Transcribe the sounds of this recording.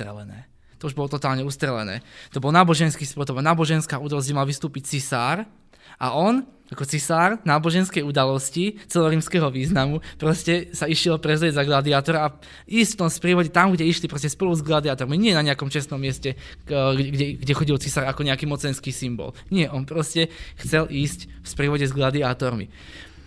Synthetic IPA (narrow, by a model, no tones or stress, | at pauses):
t̪ɾɛ̰lɛ̰nɛ̰ː | t̪ɔuʒbɔlɔt̪ɔt̪aːlɲɛust̪ɾɛlɛ̰nɛ̰ːt̪ɔbɔlnaːbɔʒɛnskiːspɔt̪ɔbɔlnaːbɔʒɛnskaːud̪alɔs̬cɛmalʋist̪uːpict͡sisaːɾ | ʔa̰ʔɔn | akɔt͡sisaːɾnaːbɔʒɛnskɛjud̪alɔscit͡sɛlɛɔɾiːmskɛːɦɔʋiːznamupɾɔscɛsaiʃilɔpɾɛzlɪɛzaɡlad̪iaːt̪ɔɾaa | iːscft̪ɔmspɾiːʋɔɟɛt̪amɡɟɛiʃlipɾɔscɛspɔluzɡlad̪iaːt̪ɔɾmiɲɪɛnaɲɛakɔmt͡ʃɛst̪nɔmːɪɛscɛ | ɡɛɡɟɛxɔɟilt͡sisaːɾakɔɲɛakiːmɔt͡sɛnskiːsimbɔ̰lɲɪɛʔɔnpɾɔscɛxt͡sɛlʔiːsc | fspɾiːʋɔɟɛzɡlad̪iaːt̪ɔɾmḭ